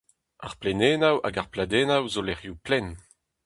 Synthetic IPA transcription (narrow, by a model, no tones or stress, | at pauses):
aʁplɛneːnawa̰ɡaʁplad̪eːnawzolɛʁjuplɛn